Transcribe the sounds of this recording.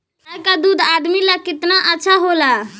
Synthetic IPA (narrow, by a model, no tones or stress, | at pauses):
akad̪ud̪ʱad̪milakɪt̪naʔətːʃʰaɦola